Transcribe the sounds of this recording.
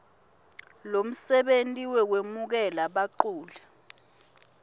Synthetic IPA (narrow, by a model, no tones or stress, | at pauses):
lom̩sɛɓentʼiwɛwemuk̬ɛlaɓaǃuːlɛ